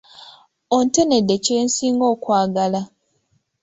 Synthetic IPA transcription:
onte̞ne̞dːe̞ceːnsiːŋɡo̞ːkwaːɡala

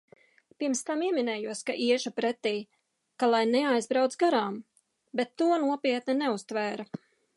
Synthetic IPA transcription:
piɾmst̪amiɛminɛːjuɔskaʔiɛʒupɾɛt̪iː | kalˠajnɛajzbɾawt̪sɡaɾaːm | bet̪ːuɔnuɔpʲiɛt̪nɛnɛust̪væːɾa

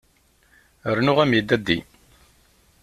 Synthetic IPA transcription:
əɾnʊʁæmjəd̪ːæd̪ːi

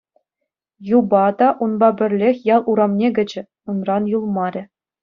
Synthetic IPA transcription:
jubɑd̪ɑʔunbɑbʲɘ̆rʲlʲexʲjɑlˠʔuɾɑmnʲeɡʲɘ̆d͡ʑɘ̆ | unrɑnjulˠmɑɾʲɘ̆

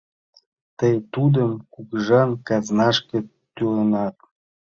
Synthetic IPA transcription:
t̪əjt̪ud̪əmkukʒɑnkɑznɑʃkə̆ | t̪ylenɑt̪̚

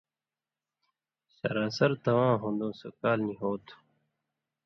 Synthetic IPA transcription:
ɕɐ̰ɾãːsɐɾt̪ɐwãːɦõːnd̪õːsokaːlniɦoːt̪ʰu̥

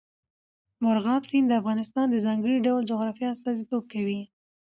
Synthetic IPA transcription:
mʊɾɣɑmsind̪əafɣɑnɪst̪ɑnd̪əzɑŋɡəɽiɖawld͡ʒʊɣɾɑfjɑast̪ɑzit̪ob̚kawi

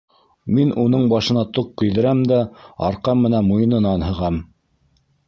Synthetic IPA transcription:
minun̪ɤɴbɑʃɤ̆nɑt̪uqkːɵ̆jðɘ̆ɾæmd̪æɑ̰ɾqɑmːɘ̆nænmujɤ̆nɤ̆nɑnhɤ̆ʁɑm

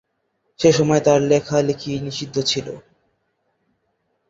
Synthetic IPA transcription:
ʃeʃɔmɔet̪aɾlekʰalekʰiniʃid̪ʱːot͡ɕʰilo̰

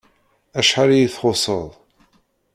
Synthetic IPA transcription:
æʃħaɾijiθχʊsˤəlˤ

